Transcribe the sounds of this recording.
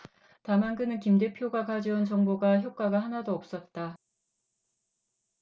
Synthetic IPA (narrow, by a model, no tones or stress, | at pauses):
tamank͈ɯnɯnkimde̞pʰjoɡakad͡ʑʌunt͡ɕʌŋboɡaçjop̚k͈waɡahanadoʌp̚s͈ʌt̚t͈a